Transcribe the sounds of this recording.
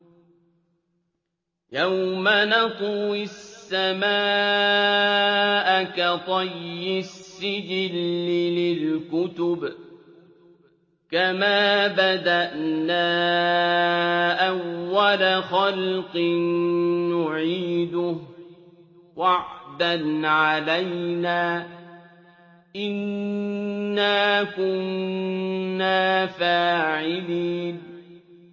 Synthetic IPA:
jawmanɑt̪ˤːɪsːamaː | ʔakat̪ˤɑjːɪsːɪd͡ʒɪlɪlɪlkʊt̪ʊb | kamaːbad̪aʔnaː | ʔawːalaxalqɨnːʊʕiːd̪ʊ | waʕd̪anʕalajnaː | ʔɪnː | aːkʊnnː | aːfaːʕɪliːn

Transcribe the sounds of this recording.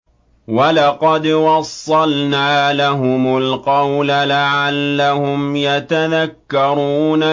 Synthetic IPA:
wɑlɑqɑd̪wɑsˤːɑlnaːlaɦʊmʊlqɑwlalaʕalːahʊmjat̪aðakːɑɾˤuːna

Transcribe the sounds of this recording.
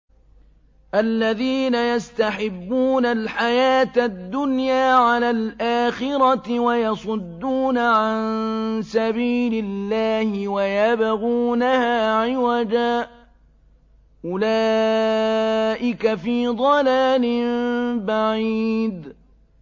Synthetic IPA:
ʔalːaðiːnajast̪aħɪbːuːnalħajaːt̪ad̪ːʊnjaːʕalaːlʔaːxɪɾɑwajɑsˤʊd̪ːuːnaʕansabiːlɪlːaːhɪwajabaɣuːnahaːʕɪwad̪aː | ʔʊlaː | ʔɪkafiːd̪ˤɑlaːlɪmbaʕiːd̪

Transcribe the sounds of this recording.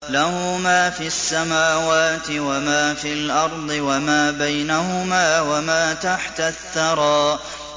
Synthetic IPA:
lahʊːmaːfiasːamaːwaːt̪ɪwamaːfiːlʔɑɾˤd̪ˤɨwamaːbajnahʊmaːwamaːt̪aħt̪aθːɑɾˤɑːʔʔ

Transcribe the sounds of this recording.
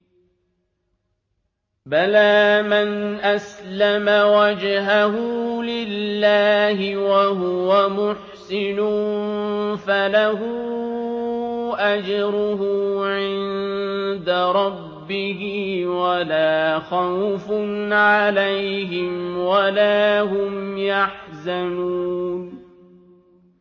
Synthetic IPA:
balaːmanʔaslamawad͡ʒɦaɦʊlɪlːaːhɪwaɦʊwamʊħsɪnʊ | falaɦʊ | ʔad͡ʒɾʊɦʊːʕɪnnd̪aɾˤɑbːɪhɪwalaːxawfnʕalajɦɪmwalaːɦʊmjaħzanuːn

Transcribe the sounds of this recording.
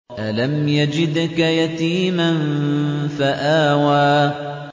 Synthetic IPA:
ʔalamjad͡ʒɪd̪kajat̪iːmanfaʔaːwaː

